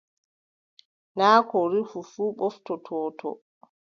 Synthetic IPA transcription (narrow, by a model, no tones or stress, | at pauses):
naːkɔɾifufuːɓɔftɔtʰɔːtʰɔ̰